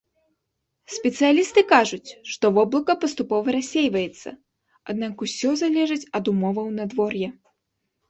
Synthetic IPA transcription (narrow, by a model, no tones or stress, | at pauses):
sʲpʲɛt̪sɨjalʲist̪ɨkaʐut͡sʲʂt̪ɔvɔblˠɐkɐpɐst̪upɔvɐɾasʲːejvɐjɛt̪sːɐ̰ | ad̪̚nakusʲɔzalʲɛʐɨt͡sʲɐd̪umɔvɐwnɐd̪vɔrjɛ